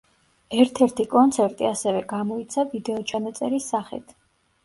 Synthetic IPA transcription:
ɛɾt̪ʰɛɾt̪ʰikʼɔnt̪sʰɛɾt̪ʼiasɛvɛɡamɔit̪sʰavid̪ɛɔt͡ʃʰamɛt̪sʼɛɾisːaχḭt̪ʰ

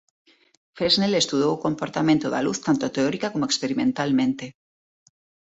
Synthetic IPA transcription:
feznelest̪uðowʊkompoɾt̪amẽnt̪ʊða̰luθt̪ant̪ʊt̪eɔɾikakomoekspeɾimẽnt̪almẽnt̪e

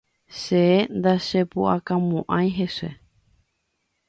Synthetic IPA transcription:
ʃeend̪aʃepuʔakãmõʔãj̃ɦesḛ

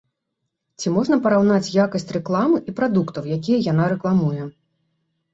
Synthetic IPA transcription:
t͡sʲimɔʐnɐpɐɾawnat͡sʲjakɐsʲt͡sʲrɛklˠamɨipɾad̪ukt̪ɐwjakʲijɐjanaɾɛklˠamujɛ

